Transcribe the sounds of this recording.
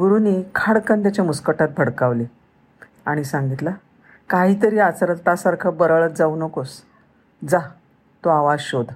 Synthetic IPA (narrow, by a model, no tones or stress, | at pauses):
ɡuɾuniːkʰaɽkənt̪jat͡ɕjamuskəʈat̪̚bʱəɽkaʋli | aɽ̃isaŋɡit̪la | kaɦiːt̪əɾiːat͡sɾət̪t̪asaɾkʰəbəɾəɭət̪̚d͡zauːnəkos | d͡za | t̪oaʋad͡zɕod̪